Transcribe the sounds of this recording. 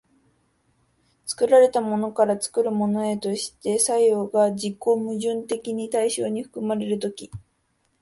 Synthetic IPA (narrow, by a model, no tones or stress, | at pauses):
t͡sɨ̥kɯ̟ɾaɾe̞t̪amo̞no̞kaɾat͡sɨ̥kɯ̟ɾɯ̟mo̞no̞e̞t̪o̞ɕi̥t̪e̞saijo̞ːɡad͡ʑikːo̞ːmɯ̟ʑɨ̃nt̪e̞kʲiɲ̟it̪aiɕo̞ːɲ̟iɸɯ̟̥kɯ̟maɾe̞ɾɯ̟t̪o̞kʲi